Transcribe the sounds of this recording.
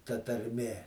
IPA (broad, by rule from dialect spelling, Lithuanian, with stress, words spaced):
tɐ tɐrʲˈmʲeː